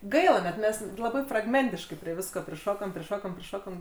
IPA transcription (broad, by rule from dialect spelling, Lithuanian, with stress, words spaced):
ˈɡɐɪlˠɐ nʲɛt ˈmʲɛs lˠɐˈbɐɪ frɐɡˈmʲɛnʲtʲɪʃkɐɪ pʲrʲiɛ ˈʋʲɪskoː pʲrʲɪˈʃoːkoːm pʲrʲɪˈʃoːkoːm pʲrʲɪˈʃoːkoːm